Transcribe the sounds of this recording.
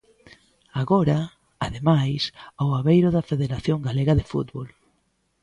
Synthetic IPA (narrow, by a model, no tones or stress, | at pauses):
aɣoɾɐ | aðemajsoaβejɾʊðɐfeðeɾaθjoŋɡaleɣɐðefṵt̪βol